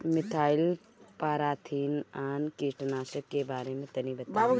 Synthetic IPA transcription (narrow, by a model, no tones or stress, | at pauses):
mɪt̪ʰaːil | paːɾaːt̪ʰiːnaːnkisʈnaːʃəkːebaːɾemẽt̪ɐnibət̪ːa